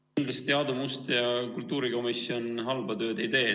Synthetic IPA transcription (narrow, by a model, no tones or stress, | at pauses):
nd̪lɑst̪eɑd̪umust̪jɑkult̪ːˑuːɾiko̞misio̞nɦɑlbɑt̪ø̞ːd̪e̞jt̪æje